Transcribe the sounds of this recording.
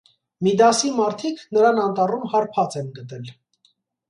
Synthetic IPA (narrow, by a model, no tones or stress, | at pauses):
mid̪ɑsimɑɾt̪ʰikʰnəɾɑnɑnt̪ɑrumhɑɾpʰɑt͡sɛnɡət̪ɛl